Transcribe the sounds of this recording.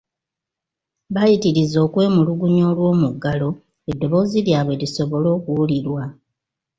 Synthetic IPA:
βajitiɾizo̞ːkwe̞ːmuluɡuɲo̞ːlwo̞ːmuɡːalo̞ | e̞dːo̞βo̞ːziljaːβwe̞liso̞βo̞lo̞ːkuwuliɾwa

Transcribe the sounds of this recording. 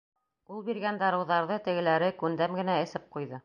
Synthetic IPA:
ulˠbiɾɡænd̪ɑɾɤ̆wðɑɾðɤt̪ɘ̆ɡɘ̆læɾɘkʉnd̪æmɡɘ̆næɘ̆sɘp̚qujðɤ

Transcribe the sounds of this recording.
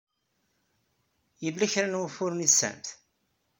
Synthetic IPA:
jəlːæçɾænwæfʊɾnisːæ̰mθ

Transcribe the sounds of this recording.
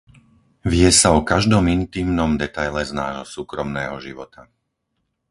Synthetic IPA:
ʋɪjɛsaɔkaʒd̪ɔmint̪iːmnɔmd̪ɛt̪ajlɛznaːɦɔsuːkɾɔmnɛːɦɔʒiʋɔt̪a

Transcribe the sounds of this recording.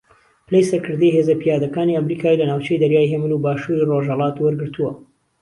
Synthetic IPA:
plejsɐɾkɨɾd̪ejɦeːzɐpijaːd̪ɐkaːniɐmɾikʰaːilɐnaːwt͡ʃejd̪ɐɾjaːjɦemɨnubaːʃuɾiroʒhɐlˠɑːt̪wɐɾɡɨɾt̪uwɐ

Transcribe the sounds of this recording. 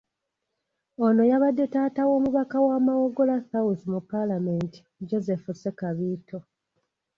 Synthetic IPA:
ono̞jaβadːe̞taːtawo̞ːmuβakawamawo̞ɡo̞lasawuθimupːalame̞nti̥d͡ʒo̞ze̞fuse̞kaβiːto̞

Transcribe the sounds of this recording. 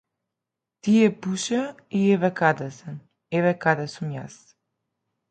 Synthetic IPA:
t̪ijɛpuʃɛ | iɛvɛkad̪ɛsɛn | ɛvɛkad̪ɛsumja̰s

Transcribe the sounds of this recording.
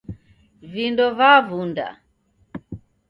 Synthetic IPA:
vindɔvavunda̰

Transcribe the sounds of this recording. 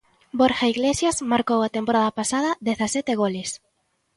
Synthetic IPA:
boɾxaiɣlesjasmaɾkowat̪empoɾaðɐpasaðɐðeθasɛt̪ɪɣoles

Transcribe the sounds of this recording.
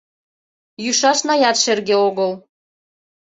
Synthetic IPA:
jyʃɑʃnɑjɑt̪ʃerɣeoɣəl

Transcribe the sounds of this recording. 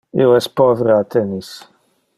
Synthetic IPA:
ḭwɛspɔvɾaːt̪ʰɛnis

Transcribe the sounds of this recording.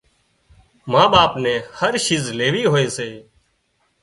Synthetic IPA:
mãːɓaːpnɛ̃ːhəɾʃiːzleːʋiːɦoːeːseː

